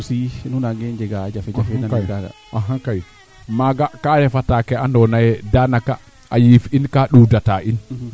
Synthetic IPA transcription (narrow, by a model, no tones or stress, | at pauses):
sinunaɡɛnd͡ʒɛɡad͡ʒafɛd͡ʒafɛnankɛɡaɡa̰ | aɦaŋkaji | maɡakanɛfatakɛandɔnajɛdanaka | ʔajifinkaɗudataʔin